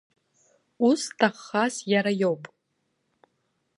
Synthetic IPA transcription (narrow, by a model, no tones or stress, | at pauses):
ustʰaχːasjaɾajowpʼ